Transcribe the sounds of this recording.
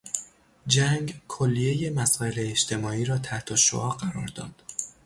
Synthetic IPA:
d͡ʒæŋɡkʰolːije̞je̞mæsɒːe̞leːʃt̪ʰe̞mɒːiːɾɒːt̪ʰæht̪ʰoʃo̰ʔɒːɢæɾɒːɾd̪ɒ̰ːd̪̥

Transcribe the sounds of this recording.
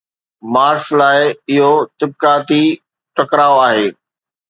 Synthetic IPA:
maːɾslaːɪɪɦot̪ɪb̚kaːt̪i | ʈɐkɾaːoaːɦeː

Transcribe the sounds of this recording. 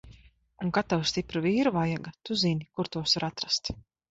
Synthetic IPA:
uŋkat̪awst̪ipɾuviːɾuvajaɡat̪uzinʲikuɾt̪uɔsuɾat̪ɾast̪

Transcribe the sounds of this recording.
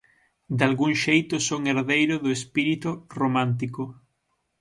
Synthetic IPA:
d̪alɣuŋʃejt̪ʊsoŋeɾðejɾʊðʊespiɾit̪ʊromãnt̪̬ikʊ

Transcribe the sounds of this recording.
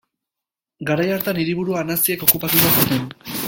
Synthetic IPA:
ɡaɾajaɾt̪aniɾiβuɾuaːnasieko̞kupat̪uβasut̪en

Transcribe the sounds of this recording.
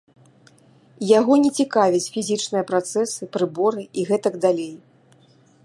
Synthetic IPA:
jaɣɔnʲɛt͡sʲikavʲit͡sʲfʲizʲit͡ʂnɨjɐpɾat̪sɛsɨpɾɨbɔɾɨiɣɛt̪ɐɡd̪alʲej

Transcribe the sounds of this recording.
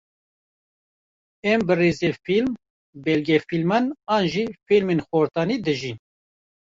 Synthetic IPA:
ɛmbɨreːzefilm | bɛlɡɛfilmanɑːnʒifilmenxoɾt̪ɑːnid̪ɨʒin

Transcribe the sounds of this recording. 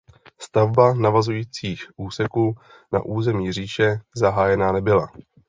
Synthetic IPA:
st̪avbanavazujiːt͡siːxʔuːsɛkuː | na̰ʔuːzɛmiːriːʃɛzaɦaːjɛnanɛbɪla̰

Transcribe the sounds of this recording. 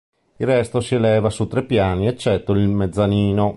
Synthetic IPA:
ilrːɛst̪osielɛːvasut̪ːɾepːjaːniet͡ʃːɛt̪ːoilmed̪zːaniːno

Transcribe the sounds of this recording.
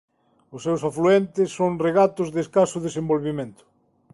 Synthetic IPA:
ʊsːewsafluent̪ɪsːoŋreɣat̪ʊzðeskasʊðesẽmbolβimẽnt̪ʊ̥

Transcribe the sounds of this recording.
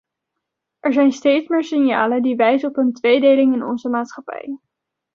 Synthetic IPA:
ʔɛɹzɛjnstejtsmɪːɹsɪnja̰ːlədiʋɛjzəɔpɦəntʋejdejlɪŋɪnɔ̰nzəmaːtsχɑpɛ̰j

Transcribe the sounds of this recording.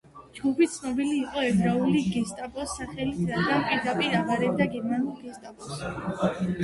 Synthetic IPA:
d͡ʒɡupʰit̪sʰnɔbiliːqʼɔɛbɾauliɡɛst̪ʼapʼɔsaχɛlit̪ʰɾad̪ɡanpʼiɾd̪apʼiɾaʁaɾɛbd̪aɡɛɾmanulˠɡɛst̪ʼapʼɔs

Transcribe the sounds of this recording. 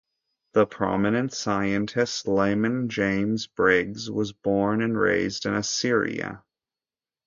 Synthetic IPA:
ðəpʰɹ̥ɑ̰mɨnɨ̃ntsaɪɨ̃ntʰɨstlẽɪ̃mɨ̃nd͡ʒẽɪ̃mzbɹɪɡzwʌzbɔɹnɨ̃nɹḛɪzdɨ̃nɨsɪɹḭɨ̰

